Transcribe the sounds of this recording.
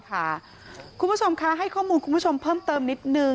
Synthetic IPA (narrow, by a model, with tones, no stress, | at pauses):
kʰa˦˥˩ | kʰu˧nbt͡ɕʰo˧mkʰa˦˥˩ɦa˥˩jkʰɔː˥˩muː˧nkʰu˧nbʰt͡ɕʰo˧mpʰɤː˥˩mt̪ɤː˧mni˦˥t̪̚nɯ˧